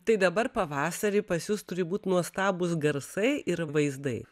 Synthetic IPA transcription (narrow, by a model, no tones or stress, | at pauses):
t̪ɐɪd̪ɐbɐɾpɐʋɑːsɐɾʲipɐsjʊst̪ʊɾʲɪbuːt̪ʲnuɔst̪ɑːbʊs̬ɡɐɾsɐɪɪɾʋɐɪzd̪ɐɪ